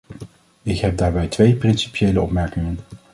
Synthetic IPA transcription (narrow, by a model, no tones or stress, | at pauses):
ɪkɦɛp̚daːɹbɛjtʋejprɪnsi̥pjejləɔpmɛɹkɪŋən